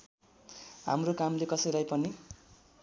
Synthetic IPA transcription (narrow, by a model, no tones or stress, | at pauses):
ɦa̰mrokamlekʌsʌjlajpʌni